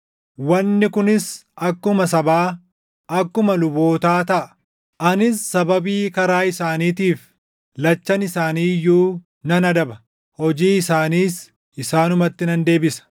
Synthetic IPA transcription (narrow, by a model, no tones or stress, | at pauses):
wɐnːɪkʊnɪsɐkːʊmɐs̬ɐbaː | ʔɐkːʊmɐlʊbo̞ːt̪aːt̪ɐʔɐ̥ | ʔɐnɪsːɐbɐbiːkɐɾaːɪsaːniːt̪iːf | lɐt͡ʃːɐnɪsaːniːjuː | nɐnɐd̪ɐbɐ | hɔd͡ʒiːɪsaːniːs | ɪsaːnʊmɐt̪ːɪnɐnd̪e̞ːbɪsɐ̥